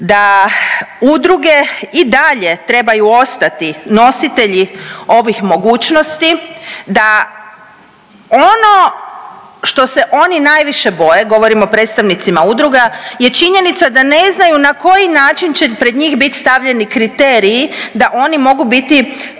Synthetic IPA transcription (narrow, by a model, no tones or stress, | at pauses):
d̪a | ud̪ɾuɡe̞id̪aʎe̞t̪ɾe̞bajuo̞st̪at̪ino̞sit̪e̞ʎio̞ʋixmo̞ɡuːt͡ʃno̞st̪id̪a | o̞no̞ | ʃt̪o̞se̞ʔo̞ninajʋiʃe̞bo̞je̞ɡo̞ʋo̞ɾimo̞pɾet̪st̪aʋnit̪simaud̪ɾuɡaje̞t͡ʃiɲe̞nit̪sad̪ane̞znajunako̞jinaːt͡ʃint͡ɕepɾe̞d̪ɲiːxbit̪i̥st̪aʋʎe̞nikɾit̪e̞ːɾiːd̪aʔo̞nimo̞ɡubit̪i